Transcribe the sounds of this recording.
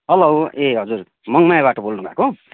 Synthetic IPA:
ʌlʌweɦʌd͡zur | mʌŋmajbaʈʌbolnũɡʱako

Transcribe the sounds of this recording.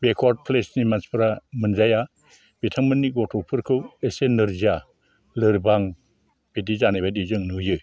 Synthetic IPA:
bekʰwad̚pʰlesnimanspʰɯɾamɯnzaja | b̥etʰaŋmɯnːiɡɔtʰɔpʰɯɾkʰɯwesenɯɾzia | lɯɾbaŋ | b̥idizanajbajdizɯŋnɯjɯ

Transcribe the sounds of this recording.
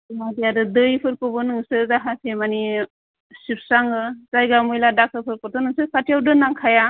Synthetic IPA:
madijadɯdɯjpʰɯɾkɯbɯnɯŋsɯzaɦasʰemani | sip̚saŋɡɯzajɡamujladak̚ʰɯpʰɯɾpɔɾt̪ʰɔnɯŋsɯpʰatijawdɯnaŋkʰaja

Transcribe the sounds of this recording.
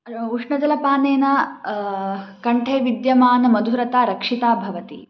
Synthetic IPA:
uʂɳɐd͡ʒɐlɐpaːneːnɐ | kɐɳʈʰeːʋid̪jɐmaːnɐmɐd̪ʱuɾɐt̪aːɾɐkʂit̪aːbʱɐʋɐt̪ḭ

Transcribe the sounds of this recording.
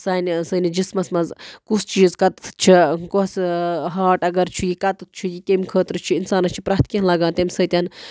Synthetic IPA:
saːnsɐnid͡ʒismɐsmɐzkusʰt͡ʃiːzkɐt̪t͡ʃʰikosɦaːʈɐɡɐɾt͡ʃʰujikɐt̪t͡ʃʰujikemʲkʰəːt̪ɾɨt͡ʃʰiinsaːnɐst͡ʃʰi̥pɾɐɦt̪̚kʲenlɐɡãːnt̪ɐmʲsɐt̪ʲɐn

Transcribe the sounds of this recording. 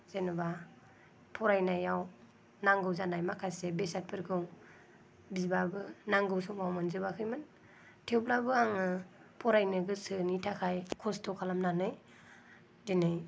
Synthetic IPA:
z̥enuba | pʰɔɾajnajaw | naŋɡɯwzanajmakʰasebesat̚pʰɯɾɡʰɯŋ | bizbabɯnaŋɡɯwsuŋawmɯnzɯbakʰɯjmɯn | tʰewblabɯaŋɯ | pʰɔɾajnɯɡɯsɯnitʰakʰajkʰɔstʰɔkʰalamnanɯj | denɯj

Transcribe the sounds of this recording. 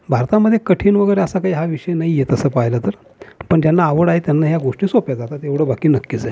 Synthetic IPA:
bʱaɾt̪aməd̪ʱːjekəʈʰiːnʋəɡəjɾeəsakaiːɦaʋiʂəjenaɦijet̪əsəːpajləːt̪əɾ | pəɳt̪janːaːʋəɽaɦet̪janːaɦjaɡoʂʈiːsopjad͡zat̪at̪eʋɽ̤əbakiːnəkːid͡zae

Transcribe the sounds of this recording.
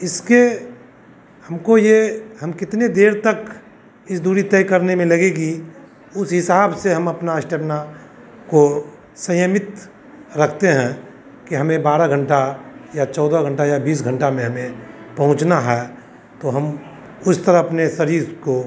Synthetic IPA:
ɪske | hɐmkojeɦɐmkɪt̪ned̪eːɾt̪ɐk | ɪsd̪uːɾit̪ɛːkəɾnemẽlɐɡeɡi | ʊsɦɪsaːbseɦɐmɐpnaəʃʈəpna | ko | sɐ̃jəmɪt̪ | ɾɐkʰt̪eɦɛ̃ | kiɦɐmẽbaːɾaɡʱə̃ɳʈajat͡ʃɔːd̪aɡʱə̃ɳʈajabiːs̬ɡʱə̃ɳʈamẽɦɐmẽpɐɦʊ̃t͡ʃnaɦɛː | t̪oɦɐm | ʊst̪əɾəɦɐpnesɐɾiːɾko

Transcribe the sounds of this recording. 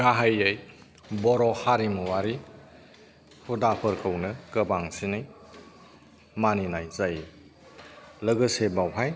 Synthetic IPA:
ɡaɦajej | bɔɾɔhaɾimuwaɾi | hudapʰɯɾkʰəwnɯkəbaŋsinɯj | maninajzaji | ləɡɯsebawɦaj

